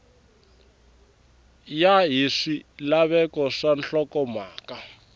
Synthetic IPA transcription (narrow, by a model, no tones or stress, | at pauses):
jaɦiʂilaβɛkɔʂanɬɔkɔmaːka